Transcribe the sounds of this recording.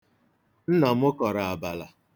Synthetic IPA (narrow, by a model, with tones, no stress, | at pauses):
n̩˦nɔ˨mʊ˦kɔ˨ɾa˨a˨ba˨la̰˨